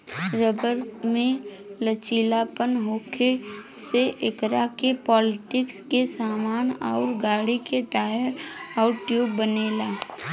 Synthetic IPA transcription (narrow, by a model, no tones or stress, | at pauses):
ɾəbəɾmẽ | lət͡ʃiːlaːpənɦoːkʰeseʔɪkɾakepɔːlɪʈɪkskesaːmaːnɔʊɾɡaːɽikeʈaːjəɾaʊʈjuːbəneːlaː